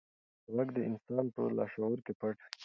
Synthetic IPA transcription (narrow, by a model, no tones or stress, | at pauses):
ɣaɡd̪əɪnsɑnpə̰lɑ̰ʃaoɾkepaʈ